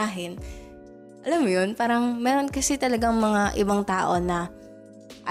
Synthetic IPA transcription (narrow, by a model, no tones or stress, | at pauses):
aːɦɪn | ʔɐlamːojonpaːɾɐŋmɛːɾo̞nkɐsɛt̪ɐlɐɡaŋmɐŋaʔɪbaŋt̪aːʔo̞nɐ | ʔɐ